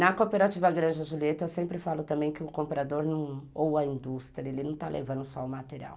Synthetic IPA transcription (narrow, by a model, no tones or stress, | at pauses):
nɐkopeɾat͡ʃivɐɡɾɐ̃d͡ʒɪɐʒuliet̪ɐewsẽmpɾɪfalʊt̪ɐ̃mbẽj̃kɪʊkõmpɾad̪oɾnɐ̃w̃owɐĩnd̪ust̪ɾiɐelɪnɐ̃w̃t̪alʔḛvɐ̃nd̪ʊsɔʊmat̪eɾia̰w